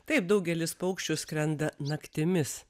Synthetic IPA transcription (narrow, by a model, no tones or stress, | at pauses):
t̪ɐɪp̚d̪ɐʊɡʲɛlʲɪspɐʊkʃʲt͡ʃʲʊsʲkɾʲɛnd̪ɐnɐkt̪ʲɪmʲɪs